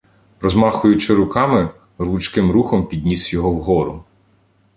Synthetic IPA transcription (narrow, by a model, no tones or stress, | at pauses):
ɾɔzmɑxʊjʊt͡ʃɪɾʊkɑmɪ | ɾut͡ʃkɪmɾuxɔmpʲid̪ʲnʲisjɔɦɔwɦɔɾʊ